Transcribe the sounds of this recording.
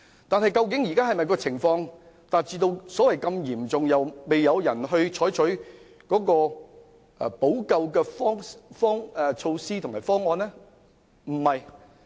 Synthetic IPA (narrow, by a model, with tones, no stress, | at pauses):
t̪aː˨nɦɐ˨jkɐ˧wk̬ɪ˨˥ŋjiː˨kaː˥hɐ˨jmɐ˨jkɔː˧t͡sʰɪ˨˩ŋfɔː˧ŋ | t̪aː˨t̚t͡siː˧t̪o˧wsɔː˨˥wɐ˨jkɐ˧mjiː˨˩mt͡sʊ˨ŋjɐ˨wme˨jːɐ˨˧wjɐ˨˩nɦɵ˧ɥt͡ʃʰɔː˨˥jt͡ʃʰɵ˨˥ɥ | kɔː˨˥kɔː˧ | ʔɛ̰˧˩po˨˥wkɐ˧wkɛː˧fɔː˥ŋfɔː˥ŋɛː˨˧t͡ʃʰo˧wsiː˥t̪ʰʊ˨˩ŋmaː˨˩fɔː˥ŋːɔː˧nlɛː˥ | m̩˨˩hɐ˨j